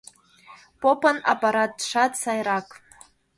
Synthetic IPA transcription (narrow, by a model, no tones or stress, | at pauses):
pʼopʰʼana̰pʼaɾat̚ːʂatsajɾakʼ